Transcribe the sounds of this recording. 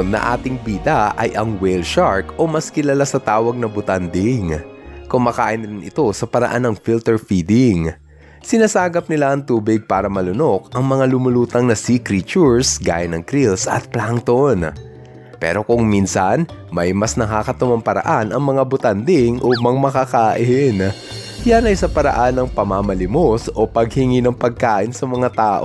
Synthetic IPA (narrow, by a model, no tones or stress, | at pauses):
nːɐ̰ʔa̰ːt̪ɪŋbiːd̪aʔɐjʔɐŋwɛlʃaɹkʔo̞mɐskɪlalasɐt̪aːwɐɡ̚nɐbʊt̪and̪ɪŋkʊŋmɐka̰ːʔɪnɾɪnʔɪ̰t̪o̞sɐpɐɾɐ̰ʔanːɐŋfilt̪ɛɹfiːd̪ɪŋ | sɪnasaːɡɐp̚nɪlaʔɐŋt̪uːbɪɡ̚paːɾɐmɐlʊno̞k̚ʔɐŋmɐŋalʊmʊluːt̪ɐŋnɐsikɾit͡ʃuɹsɡa̰ːjɐnːɐŋkɾilsʔɐ̰t̪̚plaŋt̪on | pɛ̰ːɾo̞kʊŋminsɐnmɐjmɐsnɐkakɐt̪ʊmɐmpɐɾɐ̰ʔanʔɐŋmɐŋabʊt̪and̪ɪŋʔomɐŋmɐkakaːʔɪn | janɐjsɐpɐɾɐ̰ʔanːɐŋpɐmaːmɐlɪmosʔo̞pɐɡ̚hɪŋinɐŋpɐɡ̚kaːʔɪnsɐmɐŋat̪aːʔo